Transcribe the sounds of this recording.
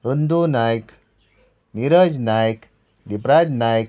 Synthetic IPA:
ɾund̪unajk | niɾəd͡ʒnajk | d̪ipɾad͡ʒnajk

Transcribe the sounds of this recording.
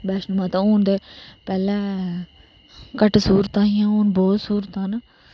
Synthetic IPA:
bɛːʃnmaːt̪ãoːnd̪epɛːlɛ̃ː | kəʈsuːɾət̪ãːijãːoːnbɔːt̪suːɾət̪ãːn

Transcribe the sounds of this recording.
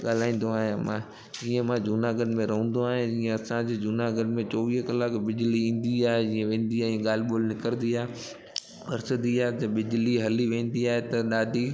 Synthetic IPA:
ɠaːl̤aːĩːn̆d̪oaːɦẽmã | d͡ʑiːə̃mãd͡ʑuːnaɡənmẽɾɐɦũn̆d̪oaːɦẽd͡ʑiːə̃ɐsãd͡ʑed͡ʑʊnaɡəɖmẽt͡ɕɔːʋiːɦkɐlaːkbɪd͡ʑliĩːn̆d̪iaːɦed͡ʑiːə̃ʋẽːn̆d̪iaːɦĩɠaːl̤ɪɓoːlnɪkəɾnd̪iaːɦe | mɐɾsəd̪iaːɦet̪ɐbɪd͡ʑliɦɐliʋẽːnd̪iaːɦet̪ɐɗaːd̪ʱi

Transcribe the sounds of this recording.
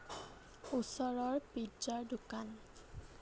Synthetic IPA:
usɔɹɔɹpizd͡ʒaɹdukan

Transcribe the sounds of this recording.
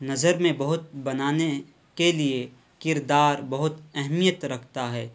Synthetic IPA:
nɐzəɾmẽbɐɦʊt̪̚bɐnaːne | kelie | kɪɾd̪aːɾbɐɦʊt̪ɛɦmijət̪ɾɐkʰt̪aɦɛː

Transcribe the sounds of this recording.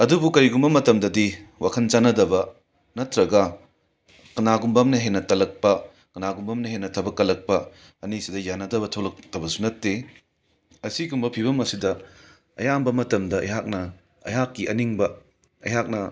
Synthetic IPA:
ɐdubukɐɾiɡumbɐmɐtɐmdɐdiwakʰɐnt͡ʃanɐdɐbɐ | nɐtɾɐɡɐ | kɐnaɡumbɐmnɐɦenɐtɐlɐk̚pɐ | kɐnaɡumbɐmnɐɦenːɐtʰɐbɐkːɐlɐk̚pɐ | ɐnisidɐjanɐdɐβɐtʰolɐk̚tɐbɐsunɐtːe | ɐsiɡumbɐpʰiβɐmɐsidɐ | ɐ̰jambɐmɐtɐmdɐɐ̰jɦak̚nɐ | ɐ̰jɦakːiʔɐniŋbɐ | ɐ̰jɦak̚nɐ

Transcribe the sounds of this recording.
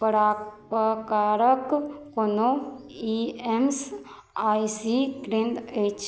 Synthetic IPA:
pəɾapəkaɾəkkonoiems | ajsiɡɾẽnd̪et͡ʃ

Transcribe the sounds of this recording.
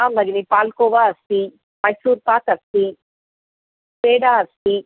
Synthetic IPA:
aːmɐɡinipaːlkoːʋaːɐst̪i | mɐjsuːɾpaːt̪ɐst̪i | peːɖaːɐst̪i

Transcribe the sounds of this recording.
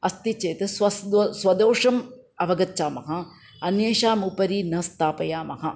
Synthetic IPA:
ɐst̪it͡ʃeːt̪ɐsʋɐsd̪sʋɐd̪oːʂɐm | ɐʋɐɡɐtːʃaːmɐɦɐ | ɐnjeːʃaːmupɐɾiːnɐst̪aːpɐjaːmɐɦɐ

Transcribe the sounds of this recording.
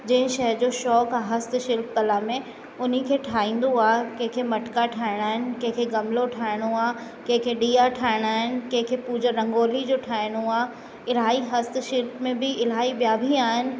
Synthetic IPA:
d͡ʑɐ̃ɦɪ̃ʃɐɦd͡ʑoːʃɔːkɦɐst̪ʃɪlp̚kɐlamẽ | ʊn̤ikʰeːʈʰaːĩːn̆d̪oaːkɐ̃ɦɪ̃kʰeːmɐʈkaʈʰaːɪɽ̃aːɦɪnɪ̆kɐ̃ɦɪ̃kʰeːɡɐmloʈʰaːɪɽ̃oaː | kɐ̃ɦɪ̃kʰeɗiːaʈʰaːɪɽ̃aːɦɪnɪ̆kɐ̃ɦɪ̃kʰeːpuːd͡ʑəɾɐ̃ŋɡoːlid͡ʑoːʈʰaːɪɽ̃oaː | ɪlaːiɦɐst̪ʃɪlpmẽbɪɪl̤aːibjaːbʱiaːɦɪnɪ̆

